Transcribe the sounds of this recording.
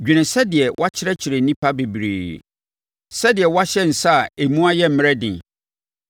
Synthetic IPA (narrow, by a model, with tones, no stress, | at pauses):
d͡ʑᶣi˨nɪ̃˨sɛ˦dɪ˨ɛ˨wʔa˦t͡ɕʰɪ˦ɾɛ˦t͡ɕʰɪ˨ɾe˨nĩ˦pʰa˦be˨bɾḭː˨ | sɛ˦dɪ˨ɛ˨wa˦ɕɛ˦n̩˨sa˦˨e˨mũ˦a˦jɛ˦m̩˨˦m̃˦ɾɛ˦dɪ̃˨